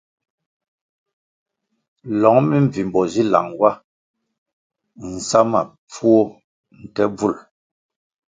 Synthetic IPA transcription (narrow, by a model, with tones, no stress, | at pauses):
lɔ˨˦ŋmi˦ɱ˨vi˨m˨bɔ˨zi˦la̰˨ŋwa˦ | n̩˨sa˦ma̰˨ | p͡fu˦o˦ | n̩˨tɛ˦b͡vu˦˨l